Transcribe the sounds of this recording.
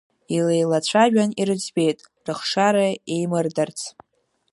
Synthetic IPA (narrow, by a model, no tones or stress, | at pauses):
ilejlat͡ɕʷʰaʒᶣaniɾɨd͡ʒbe̞jtʼ | rɨχʂaɾaejmɨrdart͡sʰ